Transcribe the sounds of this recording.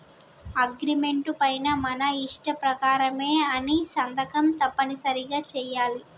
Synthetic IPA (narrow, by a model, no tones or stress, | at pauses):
ɐɡɾime̞ɳʈupɐjnɐmɐnɐiʂʈɐpɾɐkaːɾɐmeːɐnisɐnd̪ɐkɐmt̪ɐpːɐnisɐɾiɡaːt͡ʃɛːjaːli